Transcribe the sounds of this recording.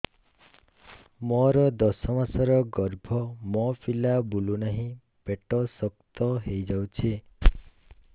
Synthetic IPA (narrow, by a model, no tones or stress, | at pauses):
mɔɾɔd̪ɔsɔmasɔɾɔɡɔɾbʱɔmɔpʰilabulunaɦĩ | b̥eʈɔsɔkt̪ɔɦejd͡ʒawt͡ʃʰi